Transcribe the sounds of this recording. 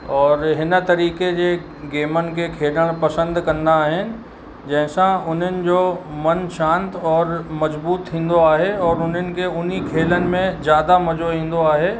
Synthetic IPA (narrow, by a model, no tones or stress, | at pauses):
ɔːɾɦɪn̆t̪ɐɾiːked͡ʑe | ɡeːmənɪ̆kekʰeːləɽ̃pɐsə̃nd̪kɐnd̪aːɦɪnɪ̆ | d͡ʑɐ̃ɦɪ̃sãʊn̤ɦənɪ̆d͡ʑomɐnʃãːnt̪ɔːɾmɐzbuːt̪ʰĩːn̆d̪oaːɦeɔːɾʊnɦənɪ̆keʊn̤ikʰeːlənɪ̆mẽzjaːd̪amɐd͡ʑoĩːn̆d̪oaːɦeː